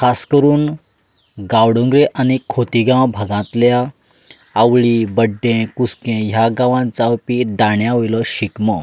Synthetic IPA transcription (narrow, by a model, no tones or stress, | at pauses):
kʰaskəɾuːn | ɡawɽõŋɡɾeʔañikʰot̪iɡãwbʱəɡãt̪ljaː | wɭiːbəɖːẽkuskẽɦjaɡãʋãnt͡sawpid̪aɳjaɦojlɔɕikmɔ